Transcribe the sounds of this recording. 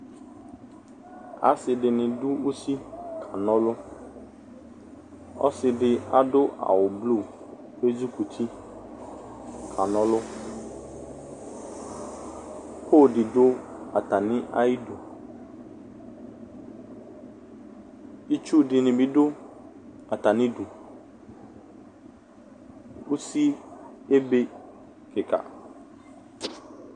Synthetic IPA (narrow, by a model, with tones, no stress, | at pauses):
a̰˦sɪ˨dɪ˨nɪ̃˨dʊ˦u˦si˦kʰa˨nɔ̃˦lʊ˦ | ɔ̰˦sɪ˨ɖɪ˦a˦dʊ˦a̰˨wʊ˨blu˦˨ | be˦d͡ʒu˦ku˨t̪ʰi˦ | kʰa˨nɔ̃˦lʊ˦ | pʰo˦˨dɪ˨dʊ˦a˨ta˨nɪ̃˦ʔa̰˦i˦du˨ | i˦t͡ʃu˦dɪ˨nɪ̃˨bɪ˦dʊ˦ | a˨ta˨nɪ̃˦du˨ | u˦si˦e˦be˦ | kɪ˨ka̰˨